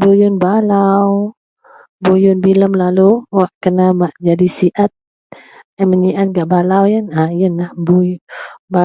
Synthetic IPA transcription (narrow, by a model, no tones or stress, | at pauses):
bujʊnbalaw | bujʊnbiləmlaluwaʔkənamaʔd͡ʒadisiʔat̪̚ | aməɲiʔat̪̚ɡaʔbalawjanajənlahbujba